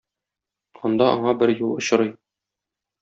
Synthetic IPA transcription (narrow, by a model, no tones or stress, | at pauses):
ɒnd̪ɑʔɒ̰ɴɑbɘɾjulˠŏɕɤ̆ɾɤj